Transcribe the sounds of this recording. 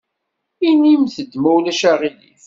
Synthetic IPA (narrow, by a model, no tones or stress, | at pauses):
inimθəd̪mæwlæʃæʁilḭθ